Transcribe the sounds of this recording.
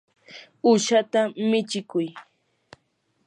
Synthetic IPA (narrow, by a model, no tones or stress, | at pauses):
ʊʃat̪amɪt͡ʃɪkʊj